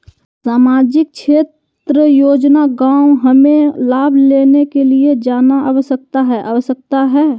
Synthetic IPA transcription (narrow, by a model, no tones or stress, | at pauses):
saːmaːd͡ʒɪk̚ʃʰeːt̪ | ɾəjoːd͡ʒnaɡãːʊɦɐmẽlaːbʱleːnekelied͡ʒaːnaʔɐʋəsək̚t̪aɦɛʔɐʋəsək̚t̪aɦɛː